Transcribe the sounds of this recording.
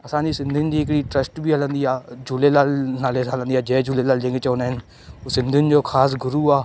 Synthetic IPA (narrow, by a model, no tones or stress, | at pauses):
əsãːd͡ʒ̪iːsɪnd̪ind͡ʒ̪iːɪkɽiːʈɾəsʈbiːɦələ̃ːnd̪iːaːd͡ʒʊleːlaːlnaːleːsalãnd̪iːaːd͡ʒeːd͡ʒuleːlaːld͡ʒẽŋɡet͡ʃoːneːɦn | oːsɪnd̪ʱind͡ʒoːkʰaːs̬ɡʊɾuːaː